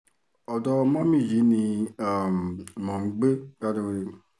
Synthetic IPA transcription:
ɔ˨dɔ˧mã˦mĩ˦˨d͡ʒi˨˦nĩ˧a˨m˨mɔ̃˨ŋ͡m̩˦ɡ͡be˦ɡa˦de˧we˧

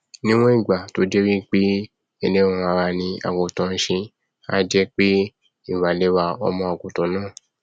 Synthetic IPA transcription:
nĩ˦w̃ɔ̃˦i˦˨ɡ͡ba˨to˦d͡ʒɛ˦wi˦k͡pe˦ | e˧lẽ˦ɔ̃˧a˧ɾa˧nĩ˧a̰˨ɡo˨tɔ̃˨˧n̩˧˦ʃĩ˧ | a̰˦d͡ʒɛ˦k͡pe˦ | i˦˨wa˨le˨˦wa˧ɔ̰˧mɔ̃˧a˨ɡo˨tɔ̃˨˦nãː˦˨

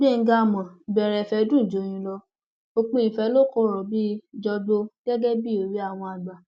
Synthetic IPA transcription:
bi˦˨˦ɡa˧˨mɔ̃˨bɛ˨ɾɛ˨fɛ˧˦dũ˦˨d͡ʒo˨˦j̃ĩ˧˦lɔ˧ | o˧k͡pũ˦ĩ˨fɛ˧˦lo˦kɔ˧˦ɾɔ˨bi˦d͡ʒɔ˧do˧ɡɛ˦ɡɛ˦bi˦o˨ɾi˦a˦˨w̃ɔ̃˧a˨ɡ͡ba˨

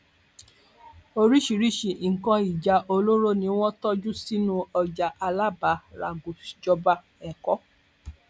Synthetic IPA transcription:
o˧ɾi˦ʃi˨ɾi˦ʃi˨ʔŋ̩˨kɔ̃˧i˨d͡ʒa˧ʔo˧lo˦ɾo˦nĩ˧w̃ɔ̃˦tɔ˦d͡ʒu˦si˦nũ˧ɔ˧d͡ʒa˨ʔa˧la˦ba˨˦ɾa̰˨ɡu˨d͡ʒɔ˧ba˧ | ɛ˨kɔ˦

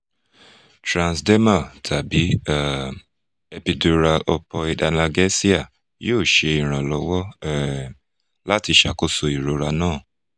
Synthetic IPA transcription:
tɾã˨nsde˦ma˦˨tʰa˨bi˨˦a˨ | e˧pi˧do˧ɾa˧ʔɔ˧pɔ˧i˧da˧na˧ɡɛ˦si˦a˦˨ | joː˦˨ʃe˧i˨ɾ̃ã˨lɔ˨˦wɔ˦˨ | la˦ti˧ʃa̰˨ko˦so˧i˨ɾo˨ɾa˧nãː˦˨

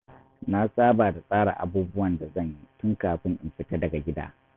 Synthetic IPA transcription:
na˦saː˦baː˨da˨sʼaː˦ɽa̰ː˨ʔa˨buː˦bʊ˦wɐ˨nda˨zɐ˦˨ɲji˦tʊ˦ŋkaː˨ɸɪ˦ŋʔɪ˨mɸɪ˦ta˦dɐ˨ɡa˨ɡʲɪ˦da̰ː˦

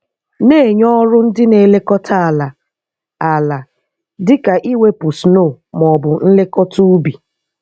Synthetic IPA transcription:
ne˦˨ɲɔ˦ɾʊ˦n̩˦dɪ˦ne˨le˦kɔ˦tʰa˦a˨la˨ | a˨la˨ | dɪ˦ka˨ʔi˦we˦pu˨snoː˦˨ | mɔ˨bʊ˨n̩˦le˦kɔ˦tu˦u˦bi˨

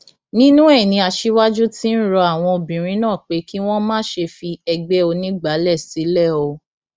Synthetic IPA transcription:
nĩ˦nũ˦ɛ˦˨nĩ˨˧˦a˧ʃi˦wa˦d͡ʒu˦ti˦n̩˦ɾɔ˧a˦˨w̃ɔ̃˧o˧bĩ˨ɾ̃ĩ˨˦nãː˦˨k͡pe˨˦ki˦w̃ɔ̃˦mãː˦ʃe˧fi˧ɛ˧ɡ͡bɛ˦o˧nĩ˦ɡ͡ba˨˦lɛ˦˨si˨˦lɛ˦˨o˧

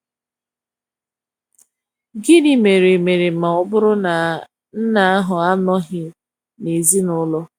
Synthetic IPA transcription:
ɡɪ˦ni˨me˨ɾe˨me˨ɾe˨ma˨ʊ˦bʊ˦ɾʊ˦na˨ | n̩˦na˨a˦ɦʊ˨a˦nɔ˦ɦɪ˦ | ne˨zi˦nʊ˦lɔ˦

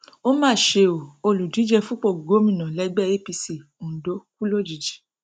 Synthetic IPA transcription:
o˦mãː˦˨ʃe˧o˨o˧lu˨di˨˦d͡ʒɛ˧fũ˦k͡po˦˨ɡo˨˦mĩ˦˨nã˨lɛ˨˦ɡ͡bɛ˦˨e˦˨pi˧si˧˨ | u˨do˨˦ku˦lo˦˨d͡ʒi˨d͡ʒi˨˦

